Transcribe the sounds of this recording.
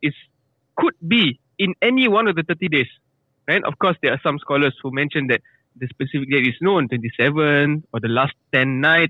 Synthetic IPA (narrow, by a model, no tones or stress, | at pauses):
its | kʰud̚bi | ĩnɛniwãnɔfdət̪ətides | ɹaɪtɔ̰fkɔsdɛasãmskɔləshumɛ̃nʃə̃ndɛt̚ | dəspɛsifik̚detisnõntwɛ̃ntisɛvə̃nɔdəlastɛ̃nːaɪt̚